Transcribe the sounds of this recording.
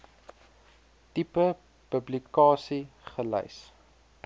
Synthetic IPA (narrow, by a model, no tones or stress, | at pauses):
tipə | pəblikɑːsiχəlɛ̰js